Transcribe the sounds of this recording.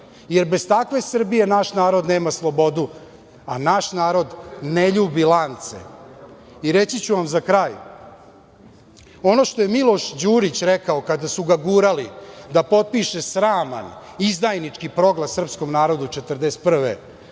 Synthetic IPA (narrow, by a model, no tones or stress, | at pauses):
je̞ɾbe̞zt̪akʋe̞sr̩bije̞naʃnaːɾo̞d̪neːmaslˠo̞bo̞d̪u | anaʃnaːɾo̞d̪ne̞ʎuːbilant̪sḛ | iɾet͡ɕit͡ɕuʋamzakɾaːj | o̞no̞ʃt̪o̞jemilˠo̞ʃd͡ʑuːɾit͡ɕɾekaokad̪asuɡaɡuɾalid̪apo̞t̪̚piʃe̞sɾaːma̰n | izd̪ajnit͡ʂkipɾo̞ɡlˠasr̩psko̞mnaːɾo̞d̪ut͡ʂet̪r̩d̪est̪pr̩ʋḛ